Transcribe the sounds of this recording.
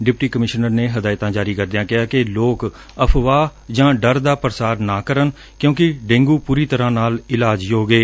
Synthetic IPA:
ɖɪp̚ʈiːkəmɪʃnəɾneːɦəd̪aːɪt̪ãːd͡ʒaːɾiːkəɾd̪ɪjãːkɪɦaːkɪloːk | əpʰʋaːd͡ʒãːɖəɾd̪aːpəɾəsaːɾnaːkəɾən | kjõːkɪɖẽːŋɡuːpuːɾiːt̪əɾãːnaːlɪlaːd͡ʒjoːɡeː

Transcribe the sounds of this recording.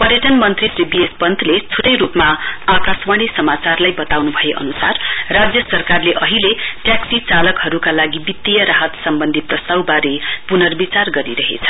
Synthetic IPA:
pʌrjʌʈʌnmʌnt̪risribiespʌnt̪ʰlet͡sʰuʈʌjɾupmaakaswaɽ̃isʌmat͡sarlajbʌt̪awnubʱʌjeʔʌ̰nusarːad͡zjʌsʌrkarleʔʌɦileʈjaksit͡salʌkɦʌɾukalaɡibit̪ːijʌɾaɦʌt̪sʌmbʌnd̪ʱit̪̚prʌst̪awbaɾepunʌrbit͡sarɡʌɾiɾʌɦḛt͡sʰʌ̥

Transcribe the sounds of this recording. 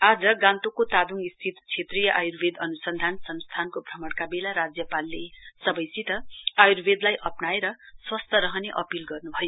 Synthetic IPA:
ad͡zʌɡãnt̪okot̪ad̪uŋɡist̪ʰit̪t͡sʰet̪rijʌʔajurbʱed̪ʌnusʌnd̪ʱansʌnst̪ʰankobʱrʌmʌɽkabelaɾad͡zjʌpalːesʌbʌjsit̪ʌajurbʱed̪lajʔʌpnaeɾʌswʌst̪ʰʌɾʌɦʌneʔʌpilɡʌrnubʱʌjo

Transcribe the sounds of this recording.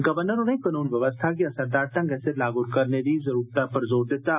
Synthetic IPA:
ɡɐʋəɾnəɾonẽkənuːnʋɐʋəst̪ʰak̬iɐsɐɾd̪aːɾt̪ɐ̃ŋɡɛseɾlaːɡʊɾkɐɾned̪izɐɾuːɾt̪apɐɾzoːɾd̪ɪt̪a

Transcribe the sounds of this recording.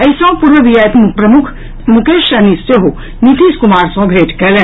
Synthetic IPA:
ɐjsɔ̃ːpuɾʋɐʋijajt̪mupɾɐmukʰ | mukeːʃɐnist̪eɦo | nit̪iːskumaːɾsɔ̃ːɡʱɾeːʈkɛlẽ

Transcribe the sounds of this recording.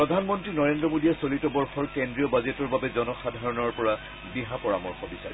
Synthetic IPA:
pɹɔdʱanmɔntɹinɔɹendɹɔmodiɛsolitɔbɔɹxɔɹkendɹiɔbazetɔɹbabɛzɔnɔxadʱaɹɔnɔɹpɔɹa | biɦapɔɹamɔɹxɔbisa̰ɹi

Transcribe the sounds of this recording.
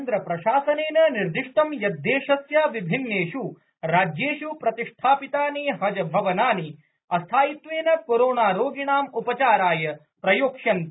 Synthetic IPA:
nd̪ɾɐpɾɐʃaːsɐneːnɐniɾd̪iʂʈ̪ɐmjɐd̪ːeːʃɐsjaːʋibʱinːeːʃu | ɾaːd͡ʒjeːʃupɾɐt̪iʂʈ̪ʰaːpit̪aːniɦɐd͡ʒɐbʱɐʋɐnaːni | ɐst̪ʰaːjit̪ʋeːnɐkoɾoːnaːɾoːɡiɳaːmupɐt͡ʃaːɾaːjɐ | pɾɐjoːkʂɐn

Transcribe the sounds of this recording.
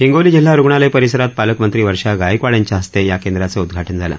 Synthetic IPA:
ɦiŋɡoliːd͡ʑil̤ːaɾuɡɳalejpəɾisəɾat̪̚paləkmənt̪ɾiːʋəɾʂaɡajəkʋaɭjaɲt͡ɕaɦəst̪ejakend̪ɾat͡səud̪ɡʱaʈənd͡zʱala̰

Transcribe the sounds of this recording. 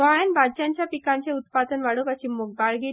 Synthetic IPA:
ajanbʱadt͡ɕjaɲt͡ɕjapikaɲt͡ɕeut̪̚pad̪ənʋaɽokaɕimoɡ̚baɭɡi

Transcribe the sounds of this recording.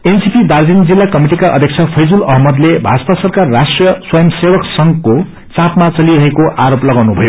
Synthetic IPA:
ensipʰid̪ard͡zind͡zilːakʌmiʈikaʔʌ̰d̪ʱjʌk̚t͡sʰʌpʰʌjd͡zulʌɦmʌd̪lebʱad͡zʌp̪asʌrkarːasʈrijʌswʌjʌmsebʌksʌŋko | t͡sãpmat͡sʌliɾʌɦekoʔaɾoplʌɡawnubʱʌjo

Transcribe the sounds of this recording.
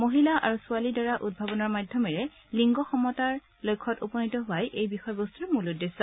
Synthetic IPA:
moɦilaʔa̰ɹusʊalidɔɹaʔud̚bʱabɔnaɹmadʱjɔmɛɹɛ | liŋɡɔxɔmɔtaɹ | lojkʰːɔtopɔnitɔɦʊwajʔejbixɔjɔbostuɹɛmuludːesɔ

